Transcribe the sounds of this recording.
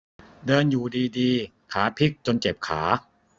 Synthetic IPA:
dɤː˧njuː˨˩diː˧diː˧ | kʰaː˩˦pʰi˦˥˩k̚t͡ɕo˧nt͡ɕe˨˩p̚kʰa̰ː˩˦

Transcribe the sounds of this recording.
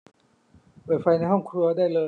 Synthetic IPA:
bɤː˨˩fa˧jna˧jɦɔ˥˩ŋkʰɾu˧ɐdaː˥˩jlɤː˧

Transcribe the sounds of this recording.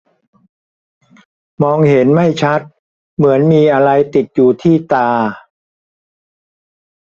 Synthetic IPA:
mɔː˧ŋhe˩˦nma˥˩jt͡ɕʰa˦˥t̪̚ | mɯ˩˦ənmiː˧ʔa˧ɾa˧jt̪i˨˩t̪̚juː˨˩t̪ʰiː˥˩t̪aː˧

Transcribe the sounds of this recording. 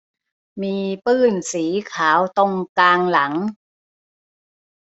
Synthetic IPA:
miː˧pɯː˥˩nsiː˩˦kʰaː˩˦wt̪o˧ŋkaː˧ŋla˩˦ŋ

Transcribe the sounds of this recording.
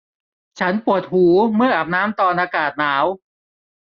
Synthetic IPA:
t͡ɕʰa˦˥npu˨˩ət̪̚huː˩˦mɯ˥˩ɐʔa˨˩p̚naː˦˥mt̪ɔː˧nʔaː˧kaː˨˩t̪̚naː˩˦w

